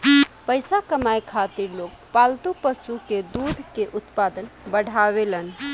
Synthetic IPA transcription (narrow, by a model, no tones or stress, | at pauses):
pəjsakəmajkʰat̪iɾlokpalt̪upəsuked̪ud̪ʱkeʔut̪pad̪ənbəɽʱaβelən